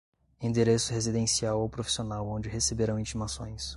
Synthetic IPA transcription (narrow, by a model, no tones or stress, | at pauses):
ĩd̪eɾesʊɦezid̪ẽsiawowpɾofi̥sionawõd͡ʒɪɦesebeɾɐ̃w̃ĩt͡ʃimasõj̃s